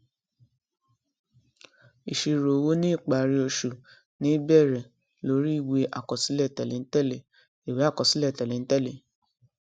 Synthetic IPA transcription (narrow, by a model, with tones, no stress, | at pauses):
i˨ʃi˧ɾo˨wo˦nĩ˦i˦˨k͡pa˨ɾi˧o˧ʃu˨ | nĩ˨˦bɛ˦˨ɾɛ˨ | lo˧˦ɾi˦i˦˨we˧˦ʔa̰˨kɔ˨si˦lɛ˦˨tɛ˨le˨n̩˦tɛ˦˨le˨ | i˨we˨˦a˦˨kɔ˨si˨˦lɛ˦˨tɛ˨le˨n̩˦tɛ˦˨le˨